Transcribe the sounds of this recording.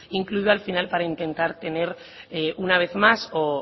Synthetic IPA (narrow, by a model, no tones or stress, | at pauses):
iŋkluiðoalfinalpaɾaint̪ẽ̞nt̪aɾt̪e̞ne̞ɾ | eunaβ̞e̞θmaso